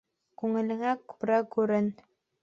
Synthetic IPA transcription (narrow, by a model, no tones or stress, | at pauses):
kʉŋɘ̆lɘ̆ŋækʉ̥pɾækʉɾɘn